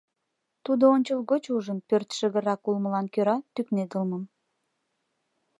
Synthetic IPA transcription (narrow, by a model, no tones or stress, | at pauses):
t̪ud̪oonʲt͡ɕəlɣot͡ɕuʒənpørt̪ʃəɣəɾɑkulməlɑnkøɾɑt̪ykned̪əlməm